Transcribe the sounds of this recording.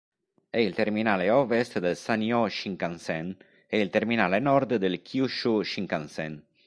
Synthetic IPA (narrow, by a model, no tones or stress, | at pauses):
ɛilt̪erminaːleɔvest̪d̪elsanjɔʃiŋkansɛn | ɛilt̪erminaːlenɔrd̪d̪elkʰiuʃuʃiŋkansɛn